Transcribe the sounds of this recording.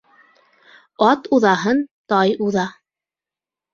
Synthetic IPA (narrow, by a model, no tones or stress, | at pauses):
ɑt̪uðɑɦɤnt̪ɑjuðɑ